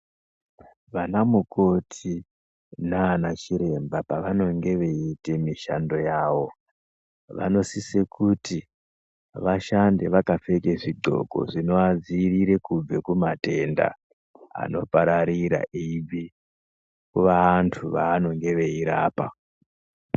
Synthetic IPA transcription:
ʋanamuko̞tʰi | naːnat͡ʃiɾe̞mbapaʋano̞ŋɡe̞ʋe̞itemiʃando̞jaːʋo̞ | ʋa̰no̞sise̞kuti | ʋaʃandeʋakafe̞keʐiɡ͡ǃo̞̰ɡo̞̰ʐino̞ad͡ziːriɾe̞kub͡vekumate̞nda̰ | a̰no̞paɾaɾiɾa̰iʋi | kuʋaːntʰuʋaːno̞ŋɡe̞ʋe̞iɾaːpa̰

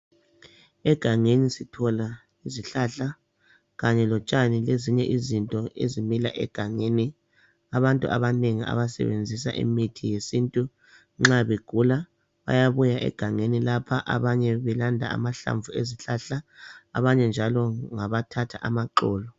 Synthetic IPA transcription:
ɛɡ̥ʱaŋenisitʰɔla | iziɬaɬa | ɣaɲɛlɔt͡ʃʼanileziɲɛʔizintʼɔḛzimilaʔɛ̰ɡ̥ʱaŋeni | aβantʼṵʔa̰βaneŋia̰βasɛ̰βḛnd͡zʱis̬a̰ʔḭmitʰijesintʼu | ŋ͡ǁaβeɡ̥ʱula | βa̰jaβujaʔɛ̰ɡ̥ʱaŋenilapʰaʔaβaɲɛβɛlandʱa̰a̰maɬa̰ɱvueziɬaɬa̰ːβaɲɛnd͡ʒʱalɔŋaβatʰatʰaʔamaǃɔːlɔ

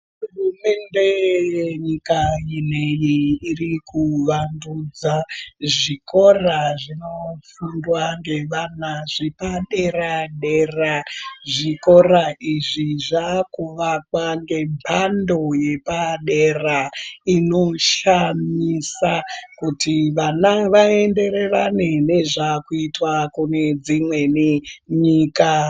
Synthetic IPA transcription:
urume̞nde̞jeɲikainejiirikuʋandud͡zaʐiko̞raʐino̞fundwaŋɡe̞ʋanaʐepaɗe̞raɗe̞raʐiko̞raʔiʐiʐakuʋakwaŋɡe̞mpʰando̞je̞paɗeraino̞ʃamisakutiʋanaʋae̞nde̞ɾe̞ranene̞ʐakuitwakune̞d͡zimwe̞niɲiːka

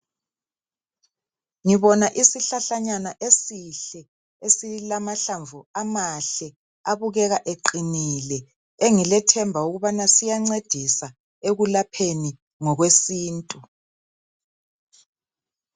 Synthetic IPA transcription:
ŋiβɔnaʔisiɬaɬaɲanaʔesiɬɛ | esilamaɬaɱvuamaɬɛ | aβuɣɛɣaʔeǃinilɛ | eŋilɛtʰɛmbʱauɣuβanasijaŋ͡ǀed̥ʱisa | eɣulapʰeni | ŋɔɣwesiːntʼu

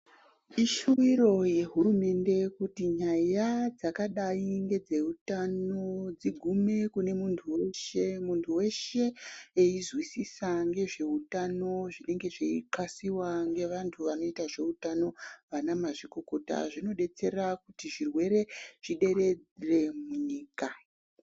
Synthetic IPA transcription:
iʃuwiro̞je̞ɦuɾume̞nde̞kutiɲajad͡zakaɗaiŋɡe̞d͡ze̞utano̞d͡ziɡʱume̞kune̞muntʰuweʃemuntʰuwe̞ʃe̞eizwisisaŋɡe̞ʐe̞utano̞ʐine̞ŋɡe̞ʐeiǃasiwaŋɡe̞ʋantʰuʋano̞itaʐe̞utano̞ʋanamaʐiko̞ko̞ta̰ʐino̞ɗe̞t͡se̞rakutiʐirwe̞ɾe̞ʐ̥iɗe̞ɾe̞d͡zre̞muɲiːka

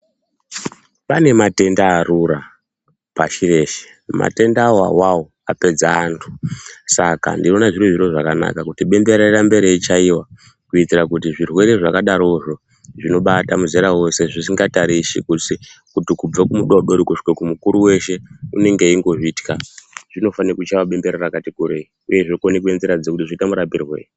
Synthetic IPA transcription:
pane̞mate̞ndaːruɾa | paʃire̞ʃe̥ | ma̰te̞ndaːwa̰wawo | ape̞d͡zaːntʰu̥saka̰ndino̞naʐireʐiroʐakana̰kakutiɓe̞mbe̞ɾerambe̞ɾeit͡ʃaiwa | kuitirakutiʐirwe̞ɾe̞ʐakaɗaɾo̞ʐo̞ | ʐino̞ɓatamuzeɾawo̞se̞ʐisiŋɡataɾisḭkusikutikub͡vakumuɗoɗoɾikuʂkekumukuɾuwe̞ʃe̞une̞ŋɡe̞iŋɡo̞ʐiti̥kaʐ̥ino̞fanikut͡ʃawaɓe̞mbe̞ɾerakatikuɾei | uje̞ʐokonekuenziɾad͡zekutiʐiitamuɾapirwe̞̰ːre

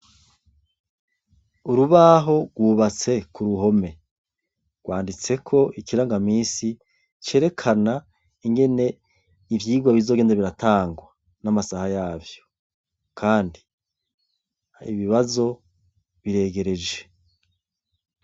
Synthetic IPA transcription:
uɾuβaɦo̞ɡwuːβat͡se̞kuɾuɦo̞me̞ | ɡ̥wʔaːndit͡se̞kʰo̞ʔikiɾaŋɡamiːsi | t͡ʃe̞ːɾe̞kʰana | iŋɡe̞ne̞ | ivjiːɡwaβizo̞ɡendaβiɾataːŋɡwa | namasahajaːvjo̞̥ | kʰaːndi | ḭβiβazo̞ | βiɾe̞ːɡe̞ɾe̞d͡ʒe

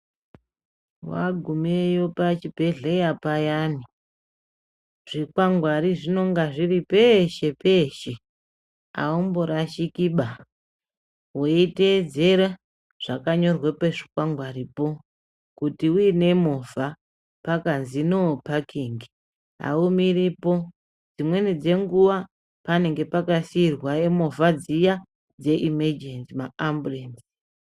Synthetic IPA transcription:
wa̰ɡʱumejopat͡ʃibʱe̞ɮejapajaːni | ʐ̥ikwaŋɡwaɾiʐino̞ŋɡaʐiripeʃe̞pe̞ːʃe̞ | a̰umboɾaʃikiɓa | weited͡ze̞ɾa | ʐ̥akaɲo̞rwepeʐi̥kwaŋɡwaɾipo | kutiuine̞mova | pakanzinopakʰiŋɡi | ɦa̰umiripo̞ | d͡zimwe̞nid͡ze̞ŋɡuʋa | pane̞ŋɡe̞pakasiːrwaemo̞vad͡zija | d͡ze̞ʔimed͡ʒensimaambulensi̥

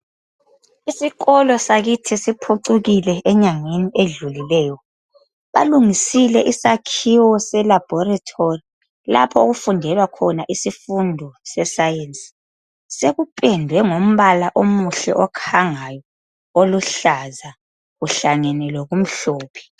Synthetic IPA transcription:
isiɣɔlɔsaɣitʰisipʰuǀuɣilɛɛɲaŋeniʔeɮulilɛːjɔ | βa̰luŋisilɛʔisakʰiwɔsɛlab̥ʱɔratʰori | la̰pʰɔoɣufundʱɛlwakʰɔnaʔisifundʱɔsɛsajensi̥ | seɣupʼɛndʱwɛŋom̩βalaʔomuɬɛ̰ʔɔkʰaŋajɔ | oluɬaza | ɣuɬaŋɛnɛlwɔɣum̩ɬoːpʰi̥

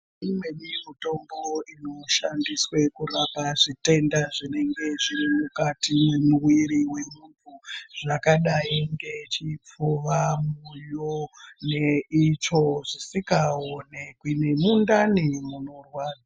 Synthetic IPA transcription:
imweɗimito̞mbo̞ino̞ʃandiswe̞kuɾapaʐite̞ndaʐine̞ŋɡe̞ʐiɾimukatime̞muwiɾiwe̞mutuʐ̥akaɗaiŋɡe̞t͡ʃip͡fuʋamujone̞it͡ʃo̞ʐisikaonekwinemundanimunorwaːd͡za

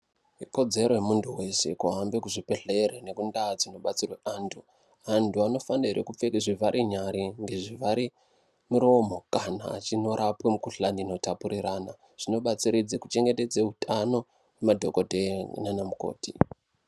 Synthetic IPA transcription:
iko̞d͡ze̞ɾo̞jemuntʰuwe̞se̞̰kuɦambekuʐipeɮe̞ɾene̞kundad͡zino̞ɓat͡sirweʔaːntʰu | antuano̞fandaɦeɾekup͡fekeʐivaɾʔiɲaɾiŋɡe̞ʐivaɾi | muɾo̞mo̞kana̰ːt͡ʃino̞ɾʔapwemukuɬanino̞tapuɾiɾana | ʐ̥ino̞ɓat͡siɾid͡zekut͡ʃe̞ŋɡe̞te̞d͡zeutʰano̞ | wemadʱo̞ko̞dʱenanamuko̰ːti

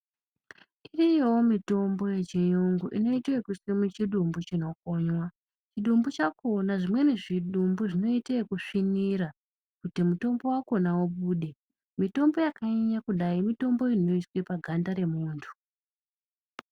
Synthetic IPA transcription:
irijowomito̞mbo̞je̞t͡ʃejoŋɡuʔino̞iteekuswimut͡ʃiɗumbut͡ʃino̞k̚o̞ɲwa | t͡ʃiɗumbut͡ʃakonaʐimwe̞neʐiɗumbuʐino̞iteekuʂiniɾa | kutimuto̞mbo̞wako̞nawoɓuːɗe̞ | mito̞mbojakaeɲakuɗaimito̞mbo̞ino̞iswepaɡʱandaɾe̞muːntʰu̥

